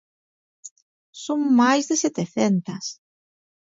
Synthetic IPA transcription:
soŋmajzðeset̪eθent̪ɐs

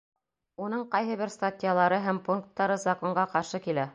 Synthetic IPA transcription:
unɤɴqɑjɦɤβɘɾst̪atʲɪjalˠɑɾɤɦæmpuŋk̚t̪ːɑɾɤzɐkoɴɢɑqɑɾʃɤkilæ

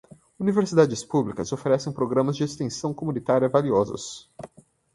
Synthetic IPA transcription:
univeɾsid̪ad͡ʒɪspublikɐzofeɾɛsẽj̃pɾoɡɾɐ̃mɐzd͡ʒɪest̪ẽsɐ̃w̃komunit̪aɾjɐvaliɔzʊ̰s

